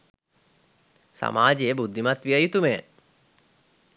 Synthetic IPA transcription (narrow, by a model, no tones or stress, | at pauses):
sa̰maːd͡ʒejəbud̪ʱːimat̪ʋiəjut̪umej